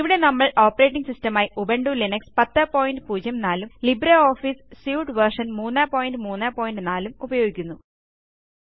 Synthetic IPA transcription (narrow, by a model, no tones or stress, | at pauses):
iʋiɽe̞nɐmːɐɭo̞ːpːɐɾe̞ːʈːiŋɡsistɐmaːjiʔubɐɳɖulinɐkspɐt̪ːɐpoːjinɖɨpuːd͡ʑjɐmnaːlumlibɾɐo̞ːfiːssjuːʈʋɐrʂɐnmuːnːaːpoːjinɖɨmuːnːaːpoːjindɖɨnaːlumubɐjo̞ːɡikʲːunːu